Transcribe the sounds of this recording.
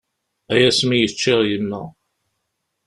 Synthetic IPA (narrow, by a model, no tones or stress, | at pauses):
æjæsmijət͡ʃːɪʁjənːə